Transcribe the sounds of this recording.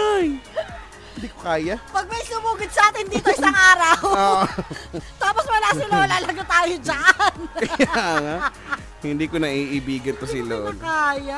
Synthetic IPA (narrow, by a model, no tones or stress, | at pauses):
aj | hɪnd̪ikokaːjapɐɡ̚mɐjslʊmuːɡʊd̪̚sɐʔaːt̪ɪnd̪iːt̪oʔɪsaŋʔaːɾɐwoːʔot̪aːposmɐlaɪloːlalaɡat̪aːjod͡ʒaʔnkɐjaaŋa | hɪnd̪iːkonɐʔiːʔɪbiːɡɐnt̪ossɪlolkaːja